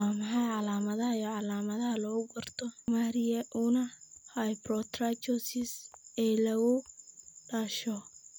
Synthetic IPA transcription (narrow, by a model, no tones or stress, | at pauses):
aːmɑħɑjʕɑlaːmɐðɐhɐjɔʕɑlaːmɐðɐɦɐlɔːɣʊɡɐrt̪ʰɔmaɾɪjɛʔʊnɐhɐjbɾɔt̪rat͡ʃɔsɪsɛːlɐɣʊɖaːʃɔ